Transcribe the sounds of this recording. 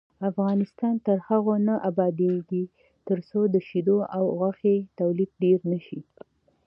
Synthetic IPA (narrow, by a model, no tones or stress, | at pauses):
afɣɑnɪst̪ɑnt̪əɾhaɣonəʔabɑd̪eɡi | t̪əɾsod̪əʃid̪oʔawɣaxet̪awlib̚ɖeɾnəʃi